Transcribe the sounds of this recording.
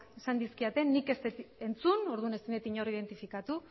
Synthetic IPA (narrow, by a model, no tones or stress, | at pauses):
kesand̪iskiat̪e̞nːike̞st̪et̪ent͡sunoɾðune̞st̪inet̪iɲo̞rið̞e̞nt̪ifikat̪u